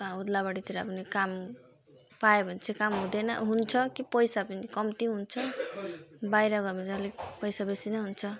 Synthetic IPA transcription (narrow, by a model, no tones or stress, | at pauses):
ãud̪labaɽit̪ʰiɾa̰pʌnikam | paebʱʌnt͡sʰekamɦũd̪ʌnʌ̰ɦunt͡sʰʌkipʌjsapʌnikʌmt̪iɦunt͡sʰʌ | bajɾʌɡʌmid͡zʌlepʌjsabesinʌɦunt͡sʰʌ